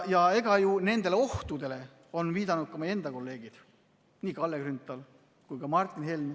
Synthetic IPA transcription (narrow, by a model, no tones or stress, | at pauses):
jɑe̞ɡ̥ɑjune̞nd̪̥e̞leo̞ht̪ud̪e̞le̞ | o̞nviːd̪̥ɑnud̪̚kɑmeje̞nd̪ɑko̞lːe̞ːɡ̥id̪̥ | niːkɑlːeɡrynt̪ˑːɑl | kujkɑmɑrt̪ːˑinhe̞lm